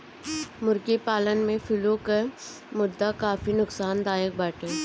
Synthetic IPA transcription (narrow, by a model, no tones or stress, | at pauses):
mʊɾkipaːlənmẽfʰɪloke | mʊd̪ːakaːfinʊksaːnd̪aːjək̚baːʈeː